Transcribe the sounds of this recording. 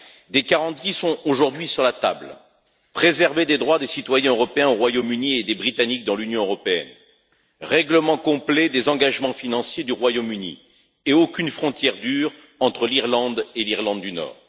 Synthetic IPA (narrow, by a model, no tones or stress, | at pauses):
d̪ekaʁɑ̃t̪isɔ̃oʒuʁd̪ɥisyʁlat̪a̰bl | pχezɛʁved̪ed̪ʁwad̪esit̪wajɛ̃øʁɔpeɛ̃oʁwajomynied̪ebʁit̪anik̚d̪ɑ̃lynjɔ̃øʁɔpeɛ̰n | ʁɛɡləmɑ̃kɔ̃plɛd̪ezɑ̃ɡaʒmɑ̃finɑ̃sjed̪yʁwajomynḭ | eokʲynfχɔ̃t̪jɛʁd̪yːʁ | ɑ̃t̪χəliʁlɑ̃d̪eliʁlɑ̃d̪ːynɔ̰ːʁ